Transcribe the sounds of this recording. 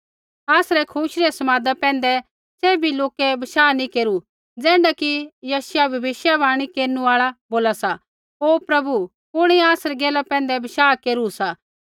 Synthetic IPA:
aːsɾɛkʰuːʃɾiɛsɐmaːd̪apɛ̃ːnd̪ɛ | sɛːbʱiloːkɛbɐʃaːnĩkeːɾu | d͡zɛːɳɖakijaːsjabʱɐbɪʃjabaːɽ̃ikeːɾnũaːɭaboːlasa | oːpɾɐbu | pʊɽ̃iaːsɾɛɡɛːlapɛ̃ːnd̪ɛbɐʃaːkeːɾusa

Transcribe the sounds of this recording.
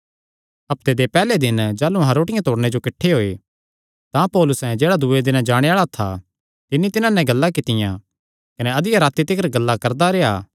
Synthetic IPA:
ɐp̚t̪ed̪epɛːled̪ɪnd͡ʒaːlũɦãɾoːʈɪjãt̪oːɽned͡ʒokɪʈʰːeɦoːe | t̪ãpɔːlʊsɛ̃d͡ʒeːɽad̪ued̪ɪnd͡ʒaːɽ̃eaːɭat̪ʰa | t̪ɪnːit̪ɪnãnɛ̃ɡɐlːakɪt̪ɪjã̰ | kɐneɐd̪ɪjaɾaːt̪it̪ɪkəɾɡɐlːakɐɾd̪aɾeaː

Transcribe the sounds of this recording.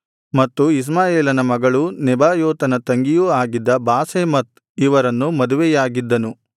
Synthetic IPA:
mɐt̪ːuis̬maːjeːlɐnɐmɐɡɐɭunɛbaːjoːt̪ɐnɐt̪ɐŋɡijuaːɡid̪ːɐbaːseːmɐt̪̚ | iʋɐɾɐnːumɐd̪uʋɛjaːɡid̪ːɐnu

